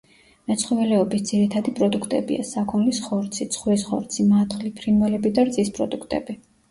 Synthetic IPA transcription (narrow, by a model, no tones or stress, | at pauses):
mɛt̪sʰχɔvɛlɛɔbisd̪z̥iɾit̪ʰad̪ipʼɾɔd̪ukʰt̪ʼɛbḭa̰sakʰɔnlisχɔɾt̪sʰit̪sʰχwɛsχɔ̰ɾt̪sʰimat̪χlipʰɾinvɛlɛbid̪aɾt̪sʼispʼɾɔ̰d̪ukʰt̪ʼɛ̰bi